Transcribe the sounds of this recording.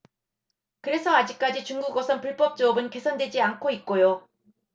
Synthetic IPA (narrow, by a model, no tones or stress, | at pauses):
kɯɾe̞sʰʌad͡ʑik̚k͈ad͡ʑit͡ɕuŋɡuɡʌsʰʌnpuɭp͈ʌp̚t͡ɕ͈uʌbɯnke̞sʰʌndwe̞d͡ʑiankʰoit̚k͈ojo